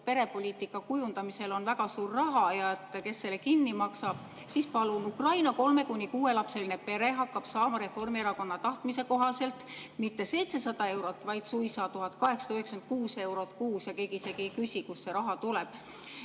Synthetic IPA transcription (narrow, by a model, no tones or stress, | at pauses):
pe̞ɾe̞po̞lʲiːt̪ˑikːˑɑkujund̪ɑmise̞lo̞nvæɡ̥ɑsuːrːɑɦɑjɑet̪ːˑke̞sːelːekinːimɑksɑb̥ | sispɑlunukrɑjnɑko̞lme̞kunʲːikuːe̞lɑpse̞line̞pe̞ɾe̞ɦɑkːɑb̥sɑːmɑɾe̞fo̞rmieɾɑko̞nːɑt̪ɑht̪mise̞ko̞ɦɑse̞lt̪ˑmit̪ːe̞se̞jt̪se̞sɑd̪̥ɑe̞wɾo̞t̪ːˑvɑjd̪̥sujsɑːt̪uɦɑt̪ːˑkɑɦe̞ksɑt̪ɑyhekskent̪̚kuːse̞wɾo̞t̪ˑkuːsjɑke̞ːɡiise̞ɡikysʲikusse̞ɾɑɦɑt̪uleb̥̚